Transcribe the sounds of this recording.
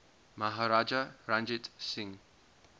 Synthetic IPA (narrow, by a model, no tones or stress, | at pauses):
maɦaɾad͡ʒaɹãnd͡ʒɛtsĩŋ